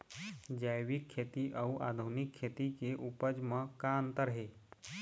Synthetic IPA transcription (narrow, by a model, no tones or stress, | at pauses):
d͡ʒajʋikʰːet̪iʔəuʔad̪ʱunikʰːet̪ikeʔupəd͡ʒmə̃kaə̃nt̪əɾɦeː